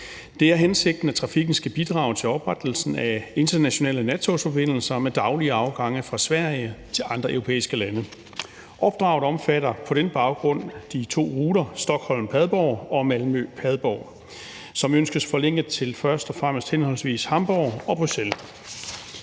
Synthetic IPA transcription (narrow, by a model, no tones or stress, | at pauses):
d̥e̝æɐɦense̝ɡ̥̚d̥n̩æt͡sʰʁɑ̈fiɡ̥n̩sɡ̥æb̥id̥ʁɑ̈ʊt͡sʰe̝lɒ̽b̥ʁad̥l̩sn̩æe̝nd̥ɐnæɕo̝nɛ̰ːlənæt͡sʰo̝sfɒ̽b̥e̝n̰l̩sɐmed̥ɑ̈ʊliəɑ̈ʊɡ̥ɑ̈ŋ̰əfʁɑ̈sʋæɐ̰jət͡sʰe̝lɑ̈nd̥ʁɐʔeʊʁo̝pʰḛːisɡ̥əlænə | ʔɒ̽b̥̚d̥ʁɑ̈ʊɒ̽mfæɾɐpʰɒ̽ɾ̥enb̥ɑ̈ʊɡ̥ʁɔ̽n̰d̥it͡sʰo̝̰ːʁuːɾɐsd̥ɒ̽ɡ̥hɒ̽l̰m̩pʰæðˠb̥ɒʊ̰ɒ̽mælmøpʰæð̞ˠb̥ɒʊ | sɒ̽mønsɡ̥əsfɒ̽leŋ̰ɡ̥ət͡sʰe̝lfɶɐsd̥ɒ̽fʁam̰sd̥henhɒ̽lsʋḭːshɑ̈mb̥ɒʊ̰ɒ̽b̥ʁusel